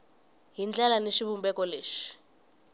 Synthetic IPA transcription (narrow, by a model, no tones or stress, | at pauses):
ɦind͡ɮɛlaneʃiβumbɛkʼɔleːʂi̥